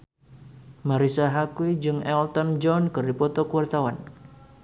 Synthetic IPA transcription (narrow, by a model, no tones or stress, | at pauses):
maɾisaɦakuwid͡ʒɨŋɛlt̪ɔnd͡ʒɔnkɨrdipɔt̪ɔkuwart̪awan